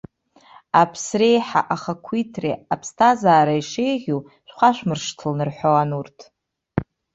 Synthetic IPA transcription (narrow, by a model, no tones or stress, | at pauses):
apʰsrejħa̰ʔaχakʷʰitʰrḛapʰstʰazaːɾaiʂejʁʲu | ʃʷᶣχʷaʃʷᶣmɨrʂtʰɨlnɨrħʷowanurtʰ